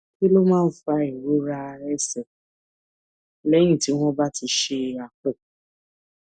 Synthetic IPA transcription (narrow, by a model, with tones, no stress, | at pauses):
ki˦lo˦mãː˦˨fa˦e˨ɾo˦ɾa˦˨˦ɾɛ˦sɛ˨ | lɛ˦ĩ˦˨ti˨˦ɦʷɔ˦ba˦ti˧ʃe˧˦˨a˨k͡pʊ˦˨